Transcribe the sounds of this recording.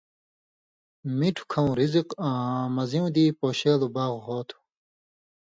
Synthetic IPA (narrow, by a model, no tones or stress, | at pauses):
miʈʰu̥kʰɐ̃w̃ɾiziqːmɐziw̃d̪ipoːɕeːlubaːɣɦoːt̪ʰu̥